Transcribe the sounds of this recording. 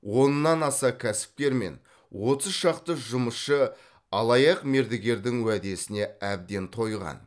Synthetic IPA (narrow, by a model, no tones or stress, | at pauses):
wo̞nnɑnɑsɑkʲʰæsɪ̥p̚kʲe̞ɾme̞̰n | wo̞t̪əzʃɑqt̪əʒʊməsʃə | ɑlˠɑjɑqme̞ɾd̪ɪɡʲe̞ɾd̪ɪŋwæd̪e̞sɪne̞æb̚d̪e̞nt̪ʰo̞jʁɑ̰n